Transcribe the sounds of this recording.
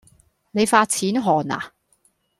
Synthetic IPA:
ne˨˧jfaː˧t̚t͡sʰiː˨˥nɦɔː˨˩na̰ː˨

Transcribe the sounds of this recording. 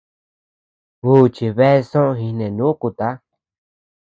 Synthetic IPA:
uː˦˨t͡ʃi˧βe˦e˦˧sõ˦õ˧ɦi˧nẽ˨nũ˦ku˧t̪a˦

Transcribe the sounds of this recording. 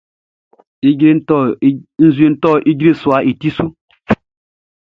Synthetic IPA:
i˦ɡɾe˦ɔ˦n̩˦zu˦e˦n̩˦tɔ˦˨ʔi˦ɡɾe˦˨swa˨˦ʔi˨ti˦su˦

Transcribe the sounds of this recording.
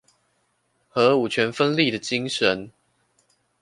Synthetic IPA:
xɤ˨˥˦u˨˩t͡ɕʰɥɛ˨˧˥nfə˦nli˥˨d̪ə˨t͡ɕi˦ŋʂə˨˦n

